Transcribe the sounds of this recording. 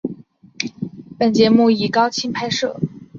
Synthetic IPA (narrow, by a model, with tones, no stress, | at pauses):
pə˨˩nt͡ɕjɛ˧˥mu˥˩i˨˩kɑ˥ʊt͡ɕʰi˥npʰa˥ɪʂɤ̰˥˩